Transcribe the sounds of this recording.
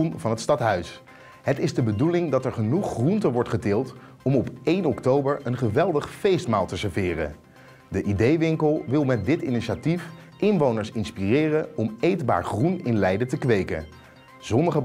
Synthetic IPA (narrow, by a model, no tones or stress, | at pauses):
nvɑnɦətstɑtɦœɥs | ɦətɪzdəbədulɪŋdɑtɛɹχənuχːruntəʋɔɹtχədɪːlˠt | ɔmɔpejnɔktowbəɹənχəʋɛlˠdəχfejstmaːlˠtəsəɹvɪːrə̰ | dəʔidejʋɪŋkəlˠʋɪlˠmɛt̚dɪtiniʃatif | ʔɪnʋownəɹsɪnspirɪːrənɔmejdba̰ːɹχrunɪnlɛjdətəkʋejkə̰ | z̥ɔnəχə